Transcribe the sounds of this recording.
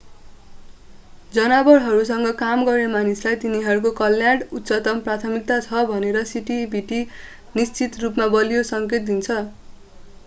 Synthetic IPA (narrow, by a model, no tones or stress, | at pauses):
d͡zʌnabʌɾɦʌɾus̬ʌŋɡʌkamɡʌrnemanislajt̪iniɦʌɾukokʌljaɽut̪ːsʌt̪ʌmprat̪ʰʌmik̚t̪at͡sʰʌbʱʌneɾʌsiʈibʱiʈi | nist͡sit̪rupmabʌlijosʌŋket̪̚d̪int͡sʰʌ